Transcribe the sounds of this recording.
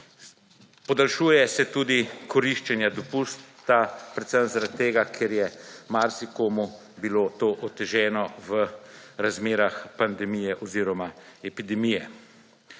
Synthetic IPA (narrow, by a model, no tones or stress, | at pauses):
pɔd̪alʃuːjɛsɛt̪uːd̪ikɔɾiʃt͡ʃɛnjad̪ɔpuːst̪apɾɛt̪səmzaɾat̪ːeːɡakʰeɾjɛmaɾsikoːmu | bilot̪oːʔɔt̪ːɛʒɛːnɔʋəɾazmeːɾaxpand̪ɛmiːjɛʔɔziːɾɔmaɛpid̪ɛmiːjɛ